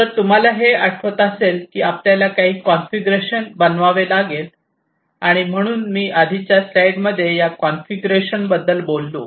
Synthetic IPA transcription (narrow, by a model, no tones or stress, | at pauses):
t̪əɾt̪um̤alaɦeaʈʰʋot̪əselkiːapljalakaɦiːkɔnfiɡɾeɕənbənʋaʋelaɡet̪̚ | aɽ̃im̤əɽ̃uːnmiːʔad̪ʱit͡ɕjaslajɖməd̪ʱːjejakɔnfiɡɾeɕənbəd̪ːəlbolːo̰